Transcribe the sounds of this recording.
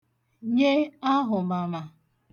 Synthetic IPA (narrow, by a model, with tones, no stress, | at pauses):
ɲe˦a˦ɦʊ˨ma˨ma˨